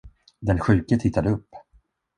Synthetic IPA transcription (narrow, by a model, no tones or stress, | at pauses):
d̪ɛnɧʉ̟ːkət̪ʰɪt̪ːad̪əɵpː